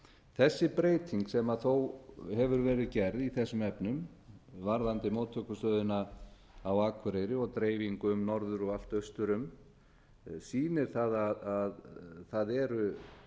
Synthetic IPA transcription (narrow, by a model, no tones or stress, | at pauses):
θɛsːɪpɾeːjt̪ʰiŋksɛmaθowhɛvʏɾvɛːɾɪðcɛɾðiθɛsːʏmɛpnʏm | vaɾðant̪ɪmoːt̪ʰːœkʏst̪œːðʏna | awaːkʰʏɾejɾɪɔɣt̪ɾeːjviŋkʏʏmnɔɾðʏɾɔɣal̥t̪œɥst̪ʏɾʏm | siːnɪɾ̥θaðaðaðθaðɛɾʏ